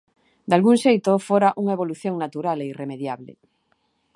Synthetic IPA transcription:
d̪alɣuŋʃejt̪ofoɾaʔuŋaeβ̞oluθjõŋnat̪uɾaleiremeðjaβlḛ

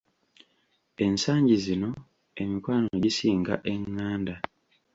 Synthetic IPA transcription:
e̞nsaːɲɟizino̞ | e̞mikwaːnoɟisiːŋɡa̰ʔe̞ŋːaːnda

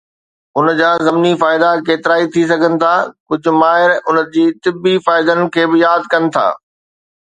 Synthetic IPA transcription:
ʊnd͡ʑaːzɐmnifaːɪd̪akeːt̪ɪɾaːit̪ʰis̬ɐɡʱənɪ̆t̪ʰaːkʊd͡ʑʱʊ̆maːɦɪɾʊnəd͡ʑiːt̪ɪbːifaːɪd̪ənɪ̆kʰeːbɪjaːd̪kɐnɪ̆t̪ʰa̰ː

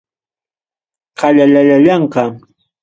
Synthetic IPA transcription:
qɑʎaʎaʎaʎɑɴqɑ

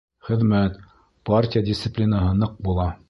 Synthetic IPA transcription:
χɘ̆ðmæt̪ | partʲɪjadʲɪst̪sɘplʲinɑɦɤnɤq̚bulˠɑ

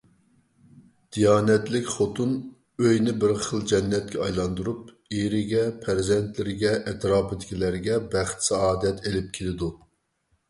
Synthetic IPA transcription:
d̪̥ijɑːnɛt̪lɪkʲχot̪un | øjnɪbɪɾχəlˠd͡ʒɛnːɛt̪̚kʲɛɑjlˠɑnd̪uɾup̚ | eɾɪɡʲɛpʰæɾzɛnt̪lɪɾɪɡʲɛʔɛt̪ɾɑːpɪd̪ɪkʲilæɾɡʲɛbæχt̪sɛɑːd̪ɛt̪ʰelɪp̚kʲʰelɪd̪u

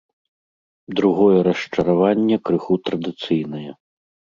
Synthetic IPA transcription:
d̪ɾuɣɔjɛɾɐʂt͡ʂɐɾavanʲːɛkɾɨxut̪ɾɐd̪ɨt̪sɨjnɐjɐ

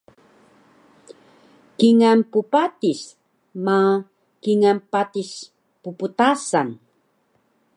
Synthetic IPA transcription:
kiŋampupatis | ma | kiŋampatis | puputasan

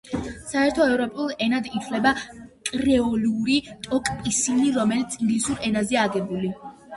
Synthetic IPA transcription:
saɛɾt̪ʰɔɛvɾɔpʼulˠɛnad̪it̪sʰlɛbakʼɾɛɔluɾit̪ʼɔkʼpʼisiniɾɔmɛlit̪sʰiŋɡlisuɾɛnazɛaːɡɛbuli

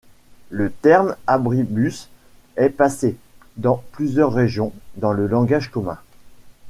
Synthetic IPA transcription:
lət̪ɛʁmabʁibys | ɛpased̪ɑ̃plyzjœʁːeʒjɔ̃d̪ɑ̃ləlɑ̃ɡaʒkɔmɛ̰̃

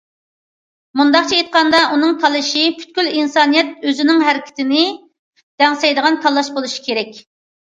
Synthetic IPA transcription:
mund̪ɑχt͡ʃʰiet̪̚qʰɑnd̪ɑʔunɨŋt̪ʰɑlˠɨʃipʰy̥t̪̚kʲylinsɑnijɛt̪̚øzɪnɪŋɦæɾɪkʲʰɪ̥t̪ɪnɪ | d̪̥ɛŋsɛjd̪əʁɑnt̪ʰɑlˠːɑʃbolˠuʃi̥kʲʰeɾɛkʲ

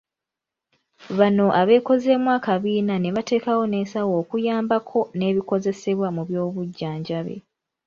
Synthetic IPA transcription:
βano̞ʔaβe̞ːko̞ze̞ːmwakaβiːnane̞βate̞ːkawo̞ne̞ːsawo̞ːkujaːmbakʰo̞ne̞ːβiko̞ze̞se̞βwamuβjo̞ːβuɟːaːɲɟaβe̞̰

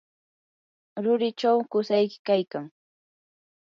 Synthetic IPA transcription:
ɾʊɾɪt͡ʃawkʊsajkɪ̥kajkaŋ

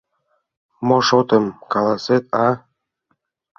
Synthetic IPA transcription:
moʃot̪ə̆mkɑlɑset̪̚ɑ

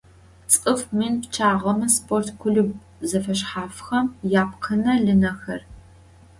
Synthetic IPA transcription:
t͡sʼɨfminpt͡ʃʰaːʁɐmɐspʰʼortkʷʰʊɮɨb | zɐfɐɕħaːfxɐmjaːp̚qʰɐnɐɮɨnɐxɐr

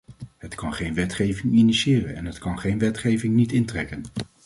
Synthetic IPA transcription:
ɦətkɑnχejnʋɛtχejvɪŋiniʃɪːrənɛnɦətkɑnχejnʋɛtχejvɪŋnitɪntrɛkən

